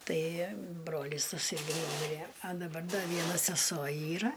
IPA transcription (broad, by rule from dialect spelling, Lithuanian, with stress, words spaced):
ˈtɐɪ ˈbroːlʲiːs tɐˈsɐɪ ˈnuːmʲɪrʲeː ɐ dɐˈbɐr ˈdɐ ˈʋʲiɛnɐ sʲɛˈsoː ˈiːrɐ